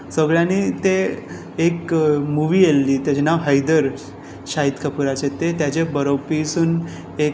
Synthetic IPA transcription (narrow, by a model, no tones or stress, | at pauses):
səɡɭjanit̪eː | kmuʋiːjelːiːt̪jat͡ɕenaʋɦəjd̪əɾ | ɕaɦit̪kʰəpuɾat͡ɕet̪et̪jat͡ɕebəɾopisuːn | e